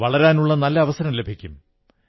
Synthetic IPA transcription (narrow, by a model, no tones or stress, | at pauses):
ʋɐɭɐɾaːnuɭːɐnɐlːɐːʋɐsɐɾɐmle̞bʱikʲːum